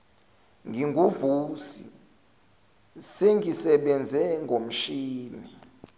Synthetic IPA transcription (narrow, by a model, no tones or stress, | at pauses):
ŋɡʱiŋɡʱuvuːsḭ | seŋɡʱisɛɓɛnd͡zʱɛŋɡʱom̩ʃiːni